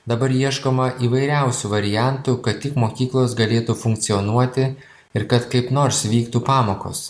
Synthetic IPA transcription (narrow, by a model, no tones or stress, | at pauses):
d̪ɐbɐɾjiɛʃkoːmɐʔiːʋɐɪɾʲæˑʊsʲuːʋɐɾʲɪjæˑnt̪ukɐt̪t̪ʲɪkmoːkʲiːklˠoːsɡɐlʲeːt̪ufʊŋk̚t̪sʲɪɔnuɔt̪ʲɪ | ɪɾkɐt̪kɐɪpnoːɾsʋʲiːkt̪uːpɑːmoːko̰ːs